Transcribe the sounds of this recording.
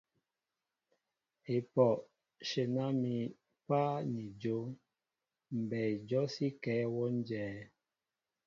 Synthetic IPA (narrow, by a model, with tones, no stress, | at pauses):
e˨pɔ˨ | ʃe˨na˦mi˨ | pa˦ni˨d͡ʒo˨˦ | m̩˨bɛ˨d͡ʒɔ˦si˦kɛː˨˦wɔ˦n˦d͡ʒɛː˨˦